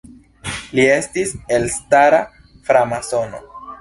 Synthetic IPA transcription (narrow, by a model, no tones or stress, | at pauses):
lie̞stise̞lstaɾa | fɾamaso̞no̞̰